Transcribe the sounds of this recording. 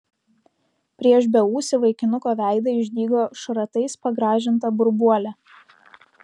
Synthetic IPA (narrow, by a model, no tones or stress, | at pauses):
pʲɾʲiɛʃbʲɛuːsʲɪʋɐɪkʲɪnʊkoːʋʲæˑɪd̪ɐɪʒʲd̪ʲiːɡoːʃɾɐt̪ɐɪspɐɡɾɑːʒʲɪnt̪ɐbʊɾbuɔlʲæ